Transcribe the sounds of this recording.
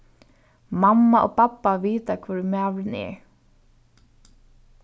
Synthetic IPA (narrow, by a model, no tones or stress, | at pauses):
mamːaʔo̰ːpapːaʋiːt̪akʰvuɾmæːʋɾɪnɛ̰ɹ